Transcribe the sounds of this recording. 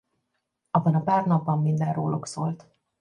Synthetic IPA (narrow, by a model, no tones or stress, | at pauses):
ɒbːɒnɒpaːrnɒbːɒmːind̪ɛnroːlʔuksoːlt̪